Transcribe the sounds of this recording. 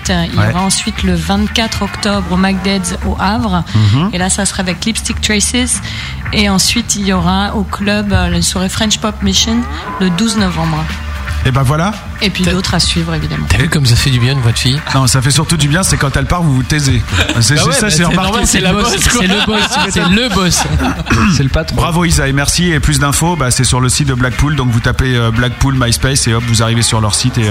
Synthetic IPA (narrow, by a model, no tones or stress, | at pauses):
t̪iljɔʁaɑ̃sɥit̪ləvɛ̃t̪kat̪χɔkt̪ɔbʁomaɡ̚d̪ɛd̪zoʔavʁelasasəχaːvɛklipst̪ik̚t̪χasiz | eɑ̃sɥit̪iljɔʁaoklœblaswaʁefχɛ̃nʃpɔpmiʃin | ləd̪uznɔvɑ̃bʁ | ebãvwala | epɥid̪ot̪χasɥivʁevid̪amɑ̰̃t̪avykɔmvuzafɛd̪ybjɛ̃nvɔt̪fijnɔ̃safɛsyʁt̪ud̪ybjɛ̃sɛkɑ̃t̪ɛlpaʁvuvut̪ɛzesɛsɛssasɛlʁpaʁɔ̃sɛlaɛləbɔssɛləbɔs | sɛləpat̪bʁavoizaemɛʁsieplys̬d̪ɛ̃fobasɛsyʁləsit̪̚d̪əblak̚puld̪ɔ̃kvut̪apeøblak̚pulmajspɛseɔpvuzaʁivesyʁlœʁsit̪e